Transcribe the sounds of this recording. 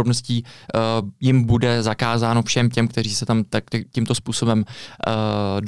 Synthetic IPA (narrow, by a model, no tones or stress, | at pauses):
ɾobno̞sciː | jɪmbudɛzakaːzaːno̞fʃɛmcɛmkt̪ɛɾiːsɛt̪amt̪akɛcimt̪o̞spuːso̞bɛm | d